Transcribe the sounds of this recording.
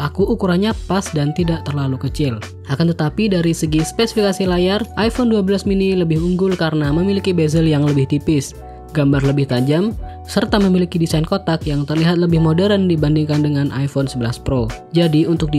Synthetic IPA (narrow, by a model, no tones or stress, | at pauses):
lakuːkuɾaɲapasdant̪idaʔt̪ərlalukət͡ʃɪl | ʔakant̪ət̪apidaɾisəɡispesifikasilajarʔajfɔnduabəlasminiləbɪhuŋɡʊlkaɾənaməmilikibezəljaŋləbɪht̪ipɪs | ɡambarləbɪht̪ad͡ʒam | sərt̪aməmilikidisajnkot̪akjaŋt̪ərliɦat̪̚ləbɪhmodɛɾəndibandiŋkandəŋanʔa̰jfonsəbəlaspɾod͡ʒadiunt̪ʊk̚di